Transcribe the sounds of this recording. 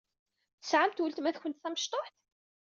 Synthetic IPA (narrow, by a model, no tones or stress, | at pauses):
θəsʕamt̪wəlt̪mæθçʷənt̪θæməʃt̪ˤoħt̪